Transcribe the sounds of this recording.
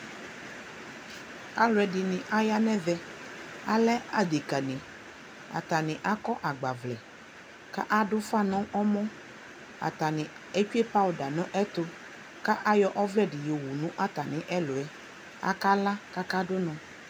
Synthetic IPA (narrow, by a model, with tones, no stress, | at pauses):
a˦lɛ˨ɖi˨nĩ˨ʔa˦ja˦nɛ̃˦vɛ˦a˦lɛ˦a˦d̪i˨ka˨nĩ˨ | a̰˨t̪a˨nĩ˨ʔa˦kɔ˦ʔa˨ɡ͡ba˨vlɛ˨ | ka̰˦ʔa˦ɖʊ˦fa˦nɔ̃˦ʔɔ˦mɔ̃˦ | a̰˨t̪a˨nĩ˨ | e˦t͡ʃu˦e˦pa˦o˨da˨nɔ̃˦ʔɛ˦t̪o˦ | ka˦ʔa˦jɔ˦ʔɔ˦vlɛ˦ɖi˨jo˨wu˨nũ˦ʔa˦t̪a˨nĩ˦ʔɛ˦lo˨ɛ˦ | a̰˦ka˦la˦ka˦ka˦ɖo˦nɔ̃˨